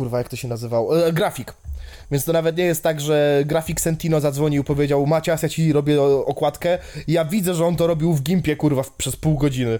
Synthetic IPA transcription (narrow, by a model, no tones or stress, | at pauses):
uɾvajak̚t̪ɔɕɛnazɘvawɡɾafʲik | vʲɛnst̪ɔnavɛt̪̬ɲɛjɛst̪ːaɡʐɛɡɾafʲiksɛnt̪ʲinɔzad̪zvɔɲiwpɔvʲjed͡ʑawmat͡ɕasjat͡ɕiɾɔbʲjɛɔkwat̪kɛijavʲid̪zɛʐɛɔnt̪ɔɾɔbʲiwvɡʲimpʲɛkuɾvapʂɛspuwɡɔd͡ʑinɘ